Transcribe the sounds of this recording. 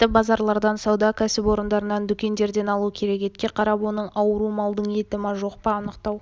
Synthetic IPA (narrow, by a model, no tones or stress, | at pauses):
t̪ːɪbɑzɑɾlˠɑɾd̪ɑnsɑwd̪ɑkʲʰæsɪpwo̞ɾənd̪ɑɾənɑnd̪ʏkʲe̞nd̪e̞ɾd̪e̞nɑlˠukʲʰe̞ɾe̞ke̞t̪kʲe̞qʰɑɾɑpwo̞nəɴɑwəɾumɑlˠd̪əɴje̞t̪ɪmɑʒo̞qpɑːnəqt̪ɑw